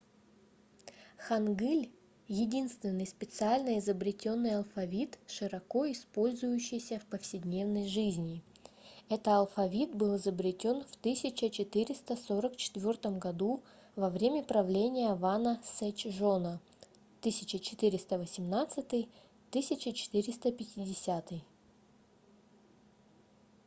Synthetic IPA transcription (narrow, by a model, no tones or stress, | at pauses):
xɐnɡɨlʲ | jɪdʲinst̪vʲɪnːɨjspʲɪt̪sɨalʲnəɪzəbɾʲɪtʲo̞nːɨjɐlˠfɐvʲit̪ʂɨɾɐko̞ɪspo̞lʲzʊjʉɕːɪjsʲəfpəfsʲɪdʲnʲe̞vnəjʐɨzʲnʲɪ | ɛt̪əɐlˠfɐvʲit̪̚bɨlˠɪzəbɾʲɪtʲo̞nft̪ɨsʲɪt͡ɕət͡ɕɪt̪ɨɾʲɪst̪əsoɾəkt͡ɕɪ̥t̪vʲo̞rt̪əmɡɐd̪u | vɐvɾʲemʲəpɾɐvlʲenʲɪjəvanəsɛt͡ɕʐonə | t̪ɨsʲɪt͡ɕət͡ɕɪ̥t̪ɨɾʲɪst̪əvəsʲɪmnat̪sɨt̪ɨj | t̪ɨsʲɪt͡ɕɪt͡ɕɪ̥t̪ɨɾʲɪst̪əpʲɪtʲɪdʲɪsʲat̪ɨj